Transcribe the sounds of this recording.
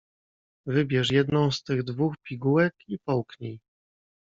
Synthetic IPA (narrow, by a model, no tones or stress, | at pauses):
vɘbʲjɛʂ̬jɛd̪nɔ̃w̃st̪ɘɣd̪vuxpʲiɡuwɛkipɔwkɲij